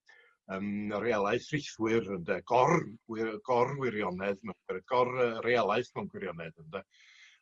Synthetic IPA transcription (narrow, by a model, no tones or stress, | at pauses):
əməɾealˠaɨθrɪθwɨrəndɛɡ̥ɔrɡ̥ɔrwɪɾjɔnɛðnaɡɛrɡ̥ɔrərealˠaɨθnanɡwɪɾjɔnɛdəndɛ